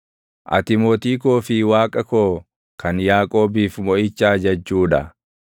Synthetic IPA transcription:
ʔɐ̰t̪ɪmoːt̪iːkoːfɪwaːkʼɐkoː | kɐnjaːkʼo̞ːbiːfmɔʔɪt͡ʃːaːd͡ʒɐd͡ʒːuːᶑɐ̰

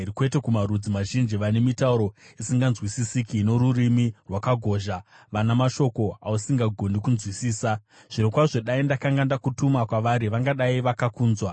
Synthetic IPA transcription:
ɾikwe̞te̞kumarud͡zimaʒind͡ʒiʋane̞mitauɾo̞isiŋɡanzwisisikinoɾurimirwakaɡʱo̞ːʒa | ʋanamaʃo̞ko̞ausiŋɡaɡʱo̞ndikunzwisiːsa | ʐ̥iɾokwaʐo̞ɗaindakaŋɡandakutumakwaʋaɾiʋaŋɡaɗaiʋakakuːnzwa

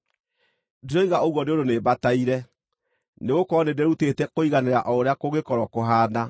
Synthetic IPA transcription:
diɾɔiɣaoɣwɔneodonebataiɾɛ | neɣokɔːnedeɛɾutetɛkoiɣaneɾaʔɔoɾeakoɣekɔɾɔkoɦaːna

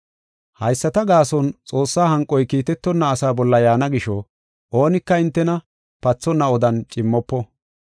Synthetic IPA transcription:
hɐjsːɐt̪ɐɡaːsɔnt͡sʼo̞ːsːaːhɐŋkʼːɔjkiːt̪ɛt̪ːɔnːɐːsaːbɔlːɐjaːnɐɡɪʃɔ | ʔoːnɪkːɐɪnt̪ːɛnɐ | pɐt͡sːɔnːɐɔd̪ɐnt͡ʃʼɪmːɔpːɔ

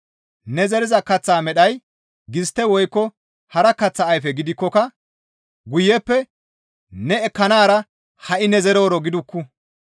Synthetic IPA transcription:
nɛzɛɾɪzɐkɐt͡sːaːmɛɗɐj | ɡɪst̪ːɛwɔjkːɔ | hɐɾɐkɐt͡sːɐːjfɛɡɪd̪ɪkːɔkɐ | ɡʊjːɛpːɛ | nɛːkːɐnaːɾɐ | hɐʔɪnɛzɛɾo̞ːɾɔɡɪd̪ʊkːʊ

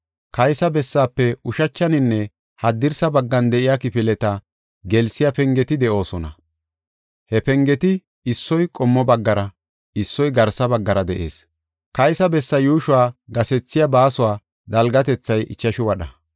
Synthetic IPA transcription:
kɐjsɐbɛsːaːpːɛʊʃɐt͡ʃːɐnɪnːɛ | hɐd̪ːɪɾsɐbɐɡːɐnd̪ɛʔɪjakɪpɪlɛt̪ɐ | ɡɛlsɪjapɛŋɡɛt̪ɪd̪ɛʔo̞ːsɔnɐ̰ | hɛpɛŋɡɛt̪ɪ | ɪsːɔjkʼɔmːɔbɐɡːɐɾɐ | ɪsːɔjɡɐɾsɐbɐɡːɐɾɐd̪ɛʔe̞̰ːs | kɐjsɐbɛsːɐjuːʃʊwaːɡɐsɛt͡sːɪjabaːsʊwaː | d̪ɐlɡɐt̪ɛt͡sːɐjʔɪt͡ʃːɐʃʊwɐɗɐ

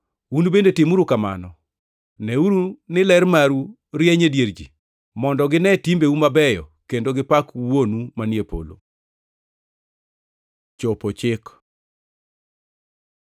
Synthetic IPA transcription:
unbendetɪmuɾukama̰nɔ | nɛuɾunɪlɛɾmaɾu | ɾjɛɲedjeɾd͡ʒi | mɔndɔɡɪnɛtimbeumabɛjɔ̰kendoɡɪpakwonumanjepo̰lo̰ | t͡ʃopot͡ʃɪk

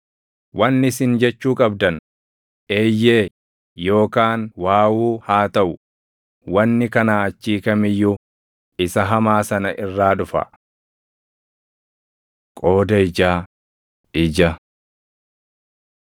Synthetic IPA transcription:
wʔɐnːɪsɪnd͡ʒɛt͡ʃːuːkʼɐbd̪ɐn | ʔe̞ːjːe̞ː | jo̞ːkaːnwaːwuːhaːt̪ɐʔʊ | wɐnːɪkɐnaːɐt͡ʃːiːkɐmɪjːʊ | ɪsɐɦɐmaːsɐnɐʔɪrːaːᶑʊfɐ̰ | kʼo̞ːd̪ɐɪd͡ʒaː | ɪd͡ʒɐ

